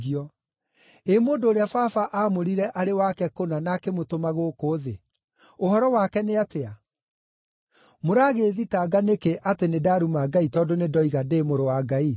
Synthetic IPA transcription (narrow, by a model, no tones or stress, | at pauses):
iɔ | emoːndoːɾeafafaʔaːmoɾiɾɛʔaɾewakɛkonanakemotomaɣokoðḛ | ohɔɾɔwakɛneatea | moɾaːɣeːðitaːɡanekeʔatenedaɾumaɡaitɔːndonedɔiɣadeːmoɾowaɡai